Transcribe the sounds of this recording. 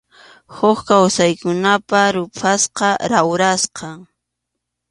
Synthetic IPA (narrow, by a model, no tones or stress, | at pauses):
hʊχkawsajkʊnapaɾʊpʰasqɑɾawɾasqɑ